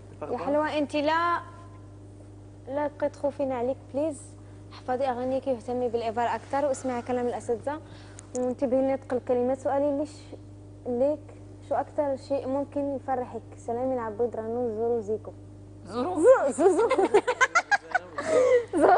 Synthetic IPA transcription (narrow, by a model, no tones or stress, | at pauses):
jaħəlwæʔənt̪ilæ | læt̪̚qit̪ˤxufinaʕlikbliz | ħɑfɑd̪ˤiʔæɣænikjəht̪æmːibəlʔebɑɾˤʔækt̪ɑɾˤwʔəsmaʕakælæməlʔæsæd̪ːa | wnt̪əbhinːet̪ˤqəlkæləmæt̪sʊʔæliliʃ | lik | ʃuʔækt̪ɑɾˤʃiʔmʊmkənjfɑrˤːəħəksælæminʕabːid̪ɾˤɑnːuzuɾuziku | zzu | zu